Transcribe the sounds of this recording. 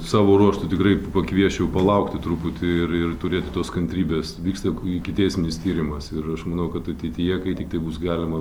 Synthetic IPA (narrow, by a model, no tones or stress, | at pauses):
sɑːʋoːɾuɔʃt̪ʊt̪ʲɪkrɐɪpɐkʋʲiɛʃʲɛʊpɐlˠɐʊkt̪ʲɪt̪ɾuːpʊt̪ʲɪɪrɪrt̪ʊɾʲeːt̪ʲɪt̪oːskɐnʲt̪ʲɾʲiːbʲeːsʋʲiːkst̪ɐɪkʲɪt̪ʲɛɪsʲmʲɪnʲɪst̪ʲiːɾʲɪmɐsɪrɐʃmɐnɐʊkɐt̪ɐt̪ʲɛɪt̪ʲɪjɛkɐɪt̪ʲɪk̚t̪ɐɪbuːsɡɑːlʲɪmɐ